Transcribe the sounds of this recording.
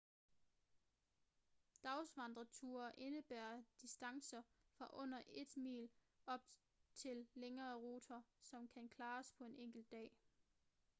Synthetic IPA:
d̥ɑ̈ʊsʋɑ̈nd̥ʁɐt͡sʰuːɐʔe̝nəb̥æːɐd̥isd̥ɑ̈ŋsɐ | fʁɑʔɔ̽n̰ɐʔe̝d̥mḭːl | ɒ̽b̥̚ | t͡sʰe̝lːeŋɐːʁuːt͡sʰɐsɒ̽mkʰænkʰlɑ̈ːspʰɒ̽e̝neŋ̰ɡ̥l̩d̥ɛ̰ː

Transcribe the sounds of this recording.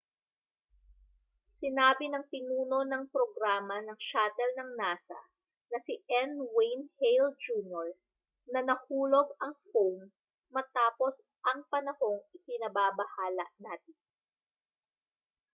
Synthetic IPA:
sɪnaːbɪnɐŋpɪnuːno̞nɐŋpɾoɡɾaːmɐnɐŋʃaːt̪ɛlnɐŋnaːsɐ̰ | nɐsɪʔɛnwejnhejld͡ʒuːnjoɹ | nɐnɐhuːlo̞ɡ̚ɐŋfowmː | ɐt̪aːpo̞s | ʔɐŋpɐnɐho̞ŋʔɪkɪnɐbabɐhaːlɐ̰ʔnaːt̪ɪn

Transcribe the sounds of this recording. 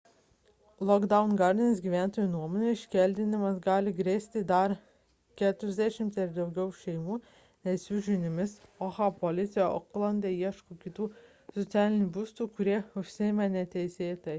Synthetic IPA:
lˠɔɡd̪ɑʊnɡɑɾʲd̪ʲinʲesɡʲiːʋʲæːˑnt̪oːjuːnuɔmɔnʲɛɪʃʲkʲɛlʲd̪ʲɪnʲɪmɐsɡɑːlʲɪɡɾʲeːsʲt̪ʲɪd̪ɐɾ | kʲæːt̪ʲʊɾʲɪzʲd̪ʲɛʃʲɪmʲt̪ʲɪɾd̪ɒʊɡʲɛʊʃʲɛɪmuː | nʲɛsʲuʒʲʊnʲɪmʲɪsoxɑpolʲɪt̪sʲɪjɛɔ̰klˠɐnʲd̪ʲeːiɛʃkukʲɪt̪uː | sɔt̪sʲæːlʲɪnʲuːbuːst̪uːkʊɾʲiɛʊʃʲsʲɪɪmɛnʲɛt̪ʲɛɪsʲeːt̪ʲɐ

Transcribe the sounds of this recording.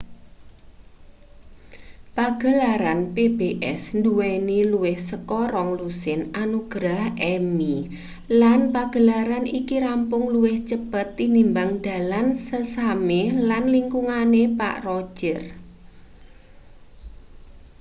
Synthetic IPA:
paɡ̥ə̤laɾanpebeʔɛ̰snd̪uweniluwɪhsəkɔɾɔŋlusɪnʔanuɡ̥ɾahʔɛmi | lanpaɡ̥ə̤laɾanikiɾampʊŋluwɪht͡ʃəb̥ət̪ːinimbaŋd̪̥a̤lansəsamelanliŋkuŋanepa̰ʔrɔd̥ʒ̥ər

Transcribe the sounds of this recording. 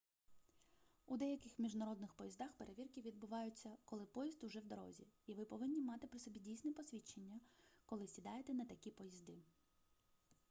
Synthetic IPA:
ud̪ɛjɐkɪxmʲiʒnɐɾɔd̪nɪxpɔjizd̪ɑxpeɾeʋʲirkʲiʋʲid̪̚bʊʋɑjʊt͡sʲːɐkɔlˠɪpɔjizd̪ʊʒɛwd̪ɔɾɔ̰zʲiiʋɪpɔʋɪnʲːimɑt̪ɪpɾɪsɔbʲidʲijsʲnɛpɔsʲʋʲit͡ʃenʲːɐkɔlˠɪsʲid̪ɑjet̪ɛnɐt̪ɐkʲipɔjizd̪ɪ

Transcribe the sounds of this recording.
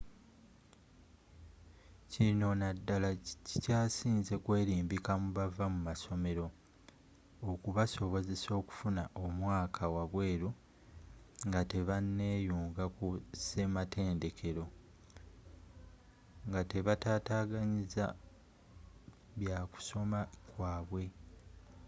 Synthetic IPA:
cino̞nadːalacicaːsiːnze̞kwe̞ːɾiːmbikamuβavamumaso̞me̞ɾo̞ | okuβaso̞βo̞ze̞so̞ːku̥funaʔomwaːkʰawaβwe̞ːɾu | ŋɡate̞βanːe̞ːjuːŋɡakuse̞mate̞ːnde̞kʰe̞ɾo̞ | ŋɡate̞βataːtaːɡaɲiza̰ | βjaːku̥so̞makwaːβwe̞

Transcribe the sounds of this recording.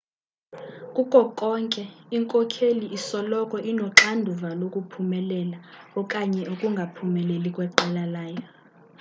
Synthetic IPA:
kʼukʼɔkʼɔŋkʼɛiŋkʼɔkʰeliisɔlɔkʼɔʔinɔǁandʱuvalokʼupʰumɛlɛlaɔkʼaɲɛukʼuŋɡʱapʰumɛlelikʼwɛǃalalaːjɔ

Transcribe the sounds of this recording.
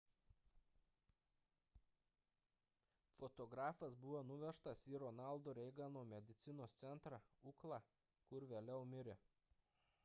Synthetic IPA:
fɔt̪ɔɡɾɑːfɐsbʊʋoːnʊʋʲɛʃt̪ɐsiɾɔnɑˑlˠd̪oːɾʲɛɪɡɑnoːmʲɛd̪ʲɪt̪sʲɪnoːst̪sʲɛnt̪ɾɑuːklˠɑː | kʊɾʋʲeːlʲɛʊmʲɪɾʲe

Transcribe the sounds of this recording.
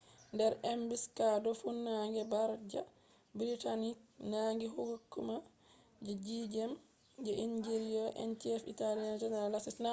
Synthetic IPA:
ndɛɾɛmbiskadɔfunːaŋɡɛbaɾd͡ʒa | bɾitanik̚naŋɡiɦuɡukːuma | d͡ʒɛd͡ʒid͡ʒɛm | d͡ʒɛʔind͡ʒeɾijɔʔɛ̰ntiɛfḭtalijand͡ʒɛnɛɾalːasisna

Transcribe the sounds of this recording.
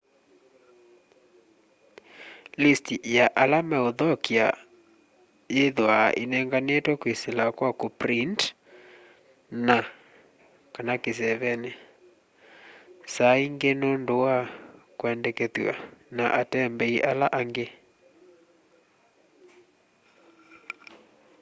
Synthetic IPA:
listijaʔalamɛoðɔkia̰ | jeðwa̰ʔenɛŋɡanetɔkweselakwakopɾint | na | kanakes̬ɛβɛne | saiŋɡenondowakwɛndɛkɛðwa̰naʔatɛmbɛiʔalaʔaŋɡe

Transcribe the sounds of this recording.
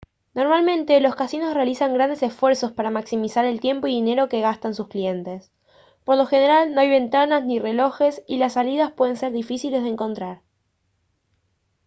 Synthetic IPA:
no̞ɾmalmẽ̞nt̪e̞lo̞skasino̞sre̞alisaŋɡɾand̪e̞sesfwe̞ɾso̞spaɾamaksimisaɾe̞lt̪je̞mpo̞iðine̞ɾo̞ke̞ɣast̪ansusklije̞nt̪e̞s | po̞ɾlo̞xeneɾalno̞ajβe̞nt̪anaznire̞lo̞xe̞silasːalið̞aspwe̞ðe̞nse̞ɾðifisile̞zð̞eŋko̞nt̪ɾaɾ

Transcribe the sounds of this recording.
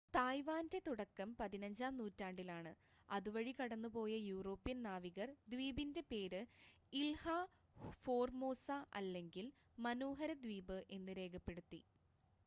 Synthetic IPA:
t̪aːjʋaːnde̞t̪uɽɐkːɐmpɐðinɐɲd͡ʑaːmnuːtːaːɳɖilaːɳɨ | ɐ̰ðuʋɐɻikɐɽɐnːupo̞ːjɐjuːro̞ːpːijɐnnaːʋiɣɐrd̪ʋiːbinde̞pe̞ːɾɨ | ilha | fo̞ːrmo̞ːsaʔɐ̰lːe̞ŋɡil | mɐnoːɦɐɾɐd̪ʋiːbɨʔe̞nːɨɾe̞ːkʰɐpːe̞ɽut̪ːi

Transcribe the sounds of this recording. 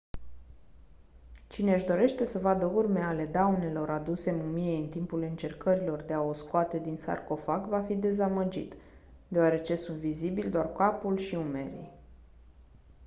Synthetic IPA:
t͡ʃine̞ɨʃd̪o̞ɾe̞ʃt̪e̞səvad̪əurme̞ale̞d̪awne̞lo̞ɾad̪use̞mumiejɨnt̪impulɨnt͡ʃe̞rkəɾilo̞rd̪e̞ao̞skoat̪e̞d̪insa̰rko̞fakvafid̪e̞zaməd͡ʒḭt̪ | d̪e̞oaɾe̞t͡ʃe̞sunt̪vizibilʲd̪oarkapulʃiume̞ɾḭ

